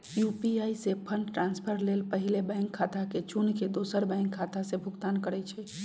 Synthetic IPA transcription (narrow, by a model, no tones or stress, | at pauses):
jupiaisepʰənʈɾãnspʰəɾlelpəɦilebə̃jŋkʰːat̪ʰaket͡ʃunked̪osəɾbəɪ̃ŋkʰːat̪ʰasebʱʊɡt̪ankəɾɛt͡ʃʰɛ